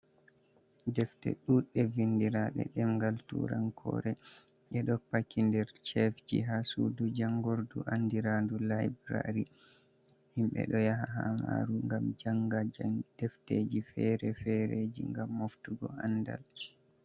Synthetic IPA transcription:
dɛftɛ̰ɗuɗɛvindiɾaɗɛ̰ɗɛmɡaltṵɾankʰɔ̰ːɾɛ | ʔɛɗɔpakːindɛɾt͡ʃɛfd͡ʒḭɦasudud͡ʒaŋɡoɾduʔandiɾandulajbɾa̰ɾi | himɓɛ̰ɗɔjaɦaɦama̰ɾuŋɡamd͡ʒaŋɡaad̥ɛfteːd͡ʒifɛɾɛfɛɾed͡ʒiŋɡamːoftuɡɔanda̰l

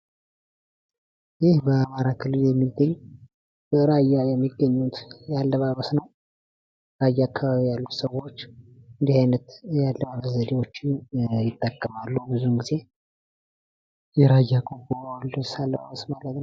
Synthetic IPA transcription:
jɪhbəamaɾakʰɨlɨljɛmːid̪əɲː | bəɾajːajɛmːiɡːəɲːut̪jalːəβaβəsnəw | ɾajːaakːaβaβijalːut̪səwːo̞t͡ʃːɨnd̪ihajnət̪jalːəβaβəszəd̪ewo̞t͡ʃːɪnjɪt̪ʼːəkʼːəmalːubɨzuhɨnɡize̞ | jɛɾajːakʼobolɨsalːəβa̰βəsmalət̪n

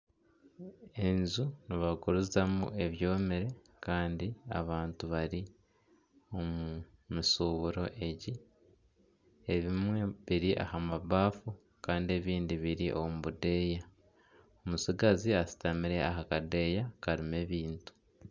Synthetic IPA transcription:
e̞nzuniβaɡuɾuzamṵʔe̞βjo̞ːmiɾe̞ | kaːndia̰βaːntuβaɾi | o̞mumisuːβuɾo̞ʔe̞ɟi | eβimwe̞βiɾiʔa̰hamaβaːfu | kaːndie̞βiːndiβiɾiʔo̞̰muβude̞ːja | omusiɡaziasi̥tamiɾe̞aɦakade̞ːjakaɾime̞βiːntu̥

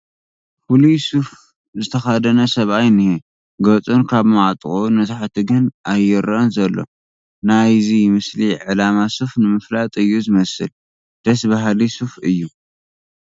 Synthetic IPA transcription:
fulusuf | zɨt̪ʰɐxad̪ɐnɐsɐβajnihe | ɡɐt͡sʼunkʰaβmaʕt̪ʼχʼonɐt̪ʰaħt̪ʰiɡɨnʔajːɛɾɐnzɐlːo̰ | najzimɨsliʕɨlamasufnɨmɨflat̪ʼɨjːuzɨmɐsɨl | d̪̥ɐsbaɦlisufɨjːu

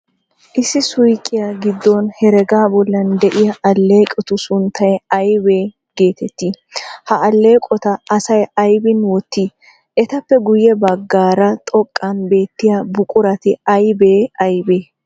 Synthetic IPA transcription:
ʔɪsːɪsʊjkʼːɪjaɡɪd̪ːonhɛɾɛɡaːbɔlːɐnd̪ɛʔɪjɐʔɐlːe̞ːkʼɛt̪ʊsʊnt̪ʰːɐjɐjbe̞ː | ɡ̥e̞ːt̪ɛt̪ːiː | hɐʔɐlːe̞ːkʼɔt̪ɐɐsɐjɐjbɪnwɔt̪ːiː | ʔɛt̪ɐpːɛɡʊjɛbɐɡːaːɾɐt̪ʼɔkʼːɐnbe̞ːt̪ːɪjabʊkʼʊɾɐt̪ɪɐjbeːɐjbeː

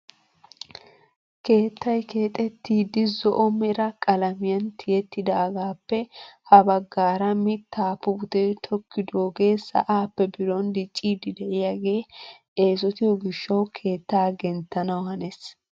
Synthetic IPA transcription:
ke̞ːt̪ːɐjke̞ːt̪ʼɛt̪ːiːd̪ɪzɔʔɔmɛɾɐkʼɐlɐmɪjɐnt̪ʰɪjɛt̪ːɪd̪aːɡaːpːɛhɐbɐɡːaːɾɐmɪt̪ʰːaːpːʊbʊt̪ejt̪ʰɔkːɪd̪oːɡe̞ːsɐ̰ʔaːpːɛbɪɾɔnd̪ɪt͡ʃʼːiːd̪ɪd̪ɛʔɪjaɡe̞ː | e̞ːs̬ɔt̪ɪjɔɡɪʃːɐwkʰe̞ːt̪ːaːɡɛnt̪ːɐnɐwhɐnes

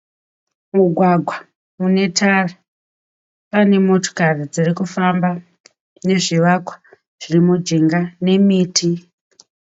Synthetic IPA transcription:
muɡʱwaɡʱwa | mune̞tʰara | pane̞mo̞to̥karid͡zirikufamba | ne̞ʐiʋakwḁ | ʐ̥irimud͡ʒiŋɡane̞miːtʰi

